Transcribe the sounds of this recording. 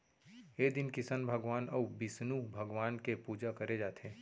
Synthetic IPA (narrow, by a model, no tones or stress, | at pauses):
eːd̪ɪnkɪsənbʱəɡʋaːnɐubɪsnubʱɐɡʋaːnkepuːd͡ʒakɐɾed͡ʒaːt̪ẽː